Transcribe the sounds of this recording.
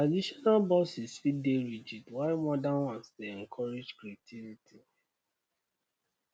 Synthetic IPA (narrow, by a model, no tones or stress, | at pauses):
tɹadiʃɔnalbɔsisfideɹid͡ʒitwaɪmɔdãnwãnstuɛ̃ŋkʰɔɹed͡ʒkɹatʰivitʰi